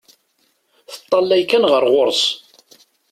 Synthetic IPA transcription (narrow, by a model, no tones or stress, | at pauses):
θə̥t̪ˤːɑlːæjkænʁəɾʁʊɾˤs